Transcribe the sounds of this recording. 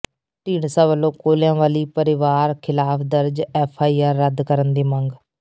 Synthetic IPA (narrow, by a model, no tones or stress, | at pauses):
ʈiːɳsãːʋəlːõːkoːljãːʋaːliːpəɾɪʋaːɾkʰɪlaːpʰd̪əɾd͡ʒɛːpʰaːiːaːɾːəd̪kəɾənd̪eːməŋɡ